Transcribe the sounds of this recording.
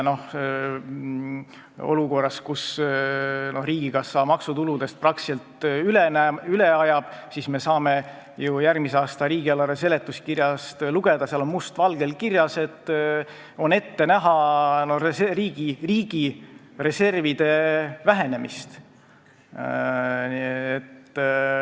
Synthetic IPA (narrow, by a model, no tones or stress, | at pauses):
no̞h | o̞̰luko̞rːɑskus | no̞hriːɡ̥iɡ̥ɑsːɑːmɑksut̪ulud̪e̞st̪̚prɑksilt̪ylenæyleɑjɑb̥sisme̞sɑːme̞ | jujærmiseɑːst̪ɑɾiːɡiɑlːɑɾese̞le̞t̪ːˑuskirjɑst̪luɡ̥e̞d̪̥ɑsiɑlo̞nmust̪vɑlɡ̥e̞lkirjɑse̞t̪ˑː | o̞ne̞t̪ːe̞næɦɑnoreriːɡ̥iriːɡ̥ire̞se̞rvid̪̥e̞væɦe̞ne̞mist̪ | et̪ː